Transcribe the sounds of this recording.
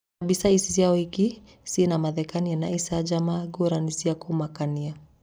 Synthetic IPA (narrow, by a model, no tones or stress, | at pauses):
abisaisisiaɔhiki | sinamaðɛkanianaisad͡ʒamaɡuɾanisiakumakania